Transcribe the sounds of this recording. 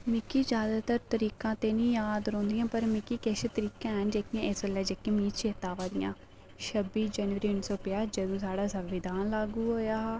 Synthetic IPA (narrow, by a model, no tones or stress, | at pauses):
mɪkiːd͡ʒjaːd̪aːt̪əɾt̪əɾiːkãːt̪eːnĩːjaːd̪ɾõːnd̪ɪjãːpəɾmɪkiːkeʃet̪əɾiːkãːɦənd͡ʒeːkɪjãːʔɪsəlːaːd͡ʒeːkːãːmiːt͡ʃʰeːt̪aːʋaːd̪ɪjã̰ː | ʃəbːiːd͡ʒɛːnʋəɾiːʊnːsɔːpɪjaːd͡ʒəd̪õːsaːɽaːsəʋːɪd̪ʱaːnlaːɡuːɦoːjaːɦː